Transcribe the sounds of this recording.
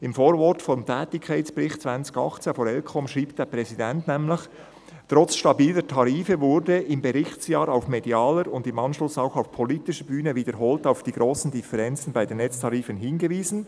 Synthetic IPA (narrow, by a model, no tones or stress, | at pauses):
ɪmfoːɾvɔtfɔmtʰɛːtɪkʰːaɪt͡sb̥əɾɪxtt͡sv̥ant͡sɪ̥ɡɑ̰xt͡senfɔːɾɛlkʰɔmʃʁiːp̚t̚d̥eːpʁɛzidɛntnɛmlɪç | t̪ʁɔt͡sʃtɑbiːlətʰɑɾiːfəvʊɾdəɪmbəɾɪçtsjɑːɾaʊfmediɑːləɾʊndɪmɑnʃlʊsaʊxaʊfpʰoliːtɪʃəbyːnəviːdəɾɦoːltaʊfd̥iːɡ̥ɾoːsn̩dɪfəɾɛnt͡sn̩baɪdenːɛt͡stʰɑɾiːfənɦɪnɡəviːz̥n̩